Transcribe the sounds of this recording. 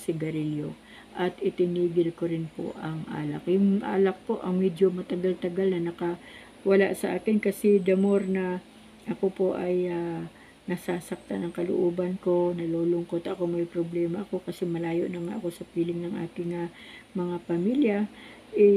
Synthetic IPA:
sɪɡɐɾɪljo | ʔɐt̪ʔɪt̪ɪniːɡɪlko̞ɾɪnpo̰ʔɐŋʔa̰ːlɐkjʊŋʔa̰ːlɐk̚po̞ʔɐŋmɛd̪jomɐt̪ɐɡalt̪ɐɡalnɐnɐka | wɐlaʔsɐʔaːkɪnkɐsɛd̪ɐmoɾnɐ | ʔɐko̞po̞ʔɐja | nɐsaːsɐk̚t̪anɐŋkɐlʊ̰ʔoːbɐnko̞nɐloːlʊŋko̞t̪ʔɐkomɐjpɾoblɛːmɐʔɐko̞kɐsɛmɐlaːjo̞̰ʔnɐŋa̰ʔɐko̞sɐpiːlɪŋlɐŋʔa̰ːk̪ɪŋɐmɐŋapɐmiːljɐ | ʔɛ

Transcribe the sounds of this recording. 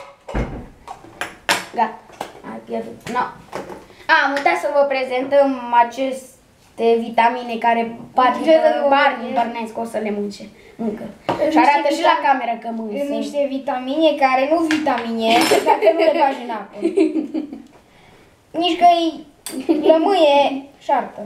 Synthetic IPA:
ɡaa̰jpjerd̪ut̪no | amut̪asəvəpɾe̞ze̞nt̪əmat͡ʃe̞s | t̪evit̪aminekaɾe̞pat̪iezɨnbarnibarneskosəle̞munt͡ʃe | ɨŋkəʃaɾat̪əʃilakame̞ɾəkəmɨjsniʃt̪evit̪aminekaɾenuvit̪amineesafevulepaʒinapə | niʃkəj | kəmɨjeʃart̪ə

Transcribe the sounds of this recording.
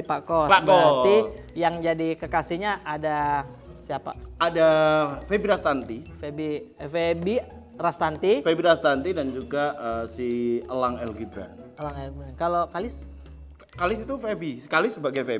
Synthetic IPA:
pakɔbəijaŋd͡ʒadikəkasihɲaʔːda | siapa̰adafebiɾast̪ant̪ifebifebi | rast̪ant̪ifebiɾast̪ant̪idand͡ʒuɡaʔəsiəlaŋɛlɡibɾa̰nəlaŋɛlbɾankalokalɪs | kalɪsit̪ufebiskalɪsəbaɡajfe

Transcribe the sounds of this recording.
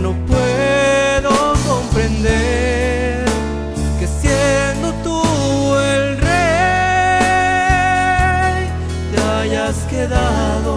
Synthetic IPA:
no̞pweðokompɾe̞nd̪e | ɾ | ke̞sjend̪o̞t̪uelre | j | t̪eaʝaskeða | ðo

